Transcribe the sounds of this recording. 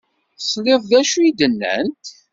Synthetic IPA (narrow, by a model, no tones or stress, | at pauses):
sˤleðˤðæʃuid̪ənːæ̰nt̪